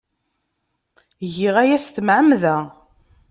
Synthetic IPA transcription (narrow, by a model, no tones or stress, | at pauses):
ʝiʁæjæst̪mʕəmðæ